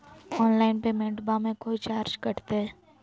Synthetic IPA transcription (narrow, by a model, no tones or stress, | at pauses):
ɔːnlaːɪnpemẽɳʈbamẽkoːit͡ʃaːɾd͡ʒkɐɾt̪eɦɛː